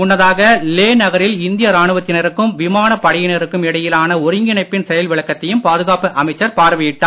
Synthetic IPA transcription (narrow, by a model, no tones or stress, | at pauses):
ʊnːɐðaːɣɐleːnɐɣɐɾɪlɪnd̪ɪjɐɾaːɳɯʋɐt̪ːɪnɐɾɯkːɯmʋɪmaːnɐpːɐɽɪjɪnɐɾɯkːɯmɪɽɐjɪlaːnɐɔɾɪŋɡɪɳɐɪpːɪnsɛjɐlʋɪɭɐkːɐt̪ːɐjɯmpaːðɯɣaːpɯʔɐmɐɪt͡ʃːɐɾpaːɾʋɪjɪʈːaː